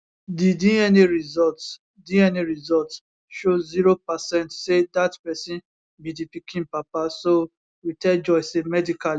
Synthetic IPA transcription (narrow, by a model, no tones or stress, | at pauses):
didĩɛniɹizɔlts | dĩɛniɹizɔlt | ʃoziɹopasɛ̃ntsedatpɛsĩn | bidipikʰĩnpapaso | witɛld͡ʒɔɪsemɛdika